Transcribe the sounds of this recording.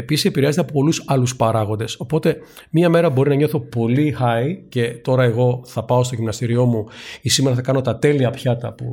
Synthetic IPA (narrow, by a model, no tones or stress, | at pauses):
episisepiɾeɐzet̪ɐpopo̞lusɐluspɐɾɐɣo̞nd̪e̞so̞po̞t̪e̞ | miɐme̞ɾɐbo̞ɾinɐɲo̞θo̞po̞lixɐice̞t̪o̞ɾɐe̞ɣo̞θɐpɐo̞st̪o̞ʝimnɐst̪iɾio̞muisime̞ɾɐθɐkɐno̞t̪ɐt̪e̞liɐpçɐt̪ɐpṵ